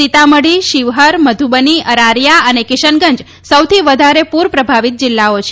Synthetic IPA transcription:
it̪aməɽiʃiʋɦəɾməd̪ʱubəniəɾaɾjaənekɪʃənɡə̃ɲd͡ʒ | səwt̪ʰiʋəd̪ʱaɾepuɾpɾəbʱaʋit̪̚d͡ʒɪlːaot͡ʃʰe

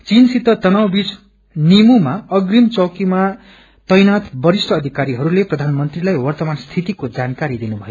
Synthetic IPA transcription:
t͡sinsit̪ːʌt̪ʌnawbit͡s | nimumaʌɡrimt͡sʌkima | t̪ʌjnat̪bʌɾisʈʰʌːd̪ʱikaɾiɦʌɾuleprʌd̪ʱanmʌnt̪rilajwʌrt̪ʌmanst̪ʰit̪ikod͡zankaɾid̪inubʱʌjo

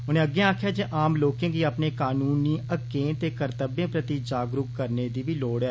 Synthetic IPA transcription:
ʊnẽːəɡːẽːãːkʰjaːd͡ʒeːʔaːmloːkẽːɡiːəpneːkaːnuːniːəɡːẽːt̪eːkəɾt̪əbẽːpɾət̪iːd͡ʒaːɡɾʊkːəɾneːd̪iːʋiːloːɽjaː

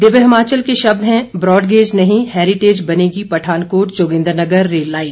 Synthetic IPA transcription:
d̪ɪbeɦɪmaːt͡ʃəlkeʃɐb̚d̪ɦɛ̃bɾɔːɖɡeːd͡ʒnɐɦĩhɛːɾɪʈeːd͡ʒbɐneːɡipɐʈʰaːnkoːʈ̚d͡ʒoːɡɪ̃nd̪ɾnɐɡəɾːeːlːaːɪn

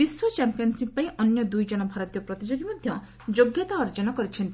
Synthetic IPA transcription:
biswɔt͡ʃampijɔnsipːaĩʔɔnjɔd̪ujd͡ʒɔnɔbʱaɾɔt̪ijɔpɾɔt̪id͡ʒoɡimɔd̪ʱjɔ | d͡ʒoɡjɔt̪aɔɾd͡ʒɔnɔkɔɾit͡ʃʰɔnt̪i

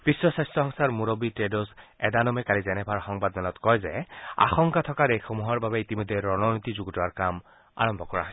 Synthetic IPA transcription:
b̥isɹɔsajstɔɦɔŋsaɹmuɹobitɹedɔsɛdanɔmɛkalizɛnɛbʱaɹxɔŋbadmɛlɔtkɔjzɛ̰a̰xɔŋkatʰɔkaɾexomuɦɔɹbabɛitimɔjd̪ʱːɛɹɔnɔnit̪izuɡɔtɔaɹkam | a̰ɹɔmbʱɔkɔɹaɦɔs

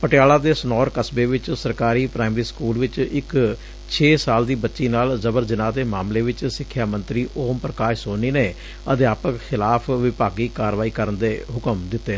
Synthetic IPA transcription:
pəʈɪjaːlaːd̪eːsnɔːɾkəsbeːʋɪt͡ʃsəɾkaːɾiːpɾaːɪmɾiːskuːlʋɪt͡ʃɪk | t͡ʃʰeːsaːld̪iːbətːʃiːnaːlzəbəɾzɪnãːd̪eːmaːmleːʋɪt͡ʃsɪkʰːjaːmənt̪ɾiːʔoːmpɾəkaːʃsoːniːneː | əd̪ɪjaːpəkxɪlaːpʰʋɪpaːɡiːkaːɾʋaːiːkəɾənd̪eːɦʊkəmd̪ɪt̪ːeː

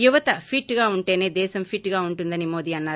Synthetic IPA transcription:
juʋɐt̪ɐpʰiʈːɡaːuɳʈe̞ːne̞ːd̪ɛːʃɐmpʰiʈːɡaːuɳʈund̪ɐnimoːd̪iːɐnːaː

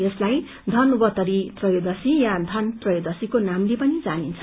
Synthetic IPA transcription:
jʌslaj | d̪ʱʌnubʌt̪ʌɾip̪rʌjod̪ʌsijad̪ʱʌnp̪rʌjod̪ʌsikonamlepʌnid͡zanint͡sʰʌ

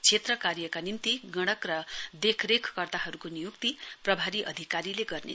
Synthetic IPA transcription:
t͡sʰet̪rʌkaɾjʌkanint̪iɡʌɽ̃ʌkrʌd̪ekʰrekʰkʌrt̪aɦʌɾukonijukt̪iprʌbʱaɾiʔʌ̰d̪ʱikaɾileɡʌrnḛ

